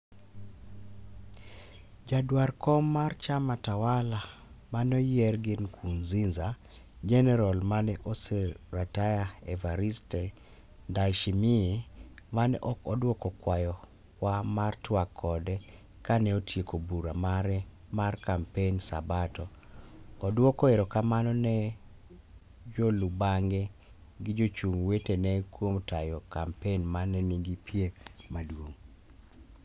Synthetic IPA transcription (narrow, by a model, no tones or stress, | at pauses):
d͡ʒadwarkɔmːart͡ʃamatawalamanɔjɛrɡɪnkʰunzinza | d͡ʒɛnɛɾɔlmanɛʔoseɾatajaɛvaɾistɛ | ndaʃimɪemanɛʔɔkɔdwɔkɔkwajɔ | wamartwakʰːɔdɛ | kanɛotʰjekobuɾamaɾɛ | markampensa̰batɔ | ɔdwɔkɔeɾɔkamanɔnɛ | d͡ʒolubaŋɡɛ | ɡɪd͡ʒot͡ʃumwetenɛkwomtajɔkampenmanɛniŋɡipjemadwoŋ